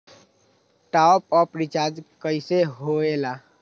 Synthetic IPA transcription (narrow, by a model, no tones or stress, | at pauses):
ʈapɔpɾit͡ʃaɾd͡ʒkəjseɦoela